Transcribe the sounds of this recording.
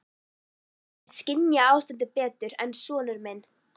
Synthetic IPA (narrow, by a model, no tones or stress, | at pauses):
ɛðscɪnjaaːwst̪ɛnt̪ɪpɛːt̪ʏɾɛnsɔːnʏɾmɛn